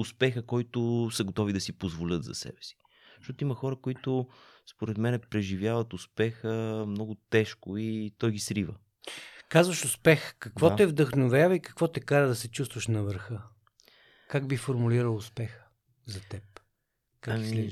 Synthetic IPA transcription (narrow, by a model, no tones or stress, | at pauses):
ʊspɛxəkɔjt̪ʊsəɡot̪ɔvid̪ɐsipozvolʲət̪zɐ̰sɛ̰bɛ̥si̥ | ʃt̪ɔt̪ʊimɐxɔɾəkoit̪ʊspoɾɛt̪mɛnɛpɾɛʒivʲjavɐt̪ʊspɛxəmnɔɡʊt̪ɛʃkʊit̪ɔjɡisɾivə̰ | kazvəʃʊspɛxkɐkvɔɛvd̪əxnovʲavəikɐ̥kvɔt̪ɛkaɾəd̪ɐsɛt͡ʃust̪vɐʃnɐvəɾxə | kaɡbifoɾmuliɾəlˠʊspɛxə̥ | zɐt̪ɛp | kaslɛ